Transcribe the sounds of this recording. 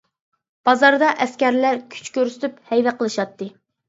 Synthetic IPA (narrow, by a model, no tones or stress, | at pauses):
b̥ɑzɑɾd̪ɑʔɛskʲæɾlæɾkʲʰy̥t͡ʃkʲøɾsɪ̥t̪ʰyphɛjvæqʰəlˠɨʃɑt̪ːɨ